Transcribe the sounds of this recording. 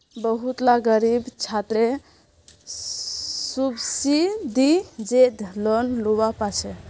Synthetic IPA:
bəɦut̪laɡəɾibt͡ʃʰat̪ɾe | subsid̪id͡ʒed̪lɔnluwapat͡ʃʰɛ

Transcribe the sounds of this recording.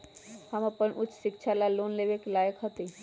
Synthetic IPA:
həməpənʔʊt͡ʃːʃɪkt͡ʃʰalaloːnleːʋekelaːjəkɦət̪i

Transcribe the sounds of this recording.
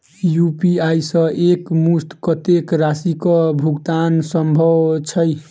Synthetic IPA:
jupiajsʌ̃ʔekmust̪kʌt̪ekɾasikʌbʱuɡt̪ansʌmbʱʌwt͡ʃʰʌj

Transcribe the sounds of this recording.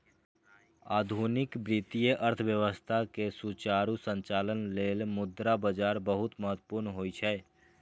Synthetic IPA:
aːd̪ʱunɪkbɾit̪ijəʔəɾt̪ʰʋjəʋəst̪ʰakesut͡ʃaːɾusə̃ɲt͡ʃaːlənleːlmʊd̪ɾabəd͡ʒaːɾbəɦʊt̪məɦət̪ːpʊɾnɦoːit͡ʃʰɛː

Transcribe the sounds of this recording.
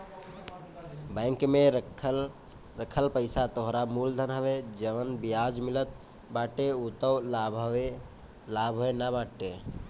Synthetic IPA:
bə̃ɪŋkme | ɾəkʰəlpəɪsat̪oɦɾamuld̪ʱənɦəʋed͡ʒəʋənbijad͡ʒmilət̪ | baʈeut̪əwlbe | labʱɦoenabaʈe

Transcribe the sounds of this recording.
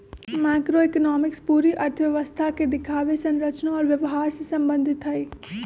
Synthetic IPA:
maːkɾoekənɔːmɪkspuːɾiʔɐɾt̪ʰəʋjɐʋəst̪ʰaked̪ɪkʰaːʋesɐ̃nɾət͡ʃnaɔːɾʋjɐʋɦaːɾsesɐ̃mbə̃nd̪ʱɪt̪ɦɐi

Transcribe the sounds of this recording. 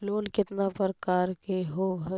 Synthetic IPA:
loːnkɪt̪napəɾkaːɾkeɦoːɦ

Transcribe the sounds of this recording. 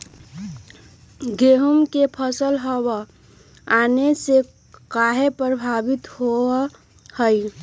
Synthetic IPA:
ɡeɦumkepʰəsəlɦəwə | anese | kaɦepɾəbʱabit̪ɦo | həi

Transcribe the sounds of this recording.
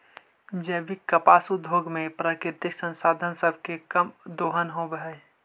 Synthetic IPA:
d͡ʒəːbɪkːəpaːsud̪ʱoːɡmẽpɾakɪɾɪt̪ɪksə̃nsaːd̪ʱənsəbʱkekəmd̪oːɦənɦobɦɛ

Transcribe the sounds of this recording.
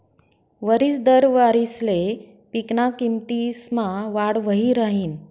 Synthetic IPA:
ʋəɾiːsd̪əɾʋaɾisle | piknakimt̪ismaʋaɽʋəɦiɾaɦiːn

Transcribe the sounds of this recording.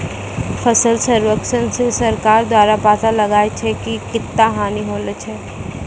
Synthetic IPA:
fʰɐsəlsəɾwəkʃənsesɐɾkaːɾd̪waːɾapaːt̪alɐɡaːet͡ʃʰɛkikɪt̪ːaɦaːniɦoːlət͡ʃʰɛː

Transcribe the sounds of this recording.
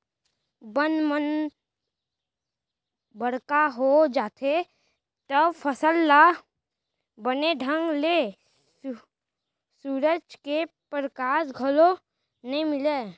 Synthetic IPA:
bənmən | bəɽkaɦod͡ʒaːt̪ʰe | t̪əbpʰəsəlːa | bəneɖʱə̃ŋɡle | suːɾəd͡ʒkepɾəkaːsɡʱəlo | nəɦĩmɪle

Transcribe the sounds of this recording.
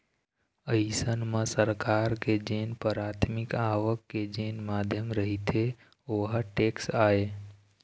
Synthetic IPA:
əisənmãsəɾkaɾked͡ʒenpəɾat̪ʰmɪkaʋəkːed͡ʒenmaːd̪ʱjəmɾəɦit̪ʰe | oɦaʈeksaːe

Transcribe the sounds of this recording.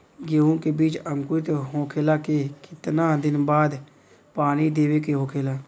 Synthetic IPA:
ɡeːõkebiːt͡ʃəŋkʊt̪eɦõːkʰeːlaːkekɪt̪naːd̪ɪnbaːd̪ | paːñiːd̪eːʋeːkeɦõːkʰeːlaː

